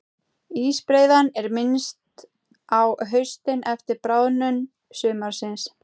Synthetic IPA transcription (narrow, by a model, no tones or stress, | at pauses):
iːspɾeːjðanɛɾmɪnst̪ | awɦœɥst̪ɪnʔɛft̪ɪɾpɾaːwnʏn | sʏːmaɾ̥sɪns